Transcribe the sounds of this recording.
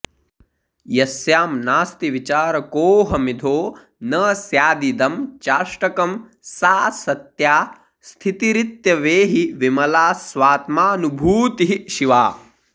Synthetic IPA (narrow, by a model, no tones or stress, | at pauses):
jɐsjaːmnaːst̪iʋit͡ʃaːɾɐkoːɦɐmid̪ʱoː | nɐːsjaːd̪id̪ɐmt͡ʃaːʃʈɐkɐm | saːsɐt̪jaː | st̪ʰit̪iɾit̪jɐʋeːɦiʋimɐlaːsʋaːt̪maːnubʱuːt̪iɦiʃiʋaː